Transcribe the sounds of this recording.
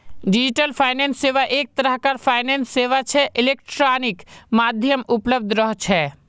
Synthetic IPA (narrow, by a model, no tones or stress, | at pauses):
ɖid͡ʒiʈəlpʰaɪnensːeʋaʔek̚t̪əɾəɦkaɾpʰaːɪnensːeʋat͡ʃʰɛʔilek̚ʈɾanikmad̪ʱjəmupləb̚d̪ʱɾəɦt͡ʃʰɛ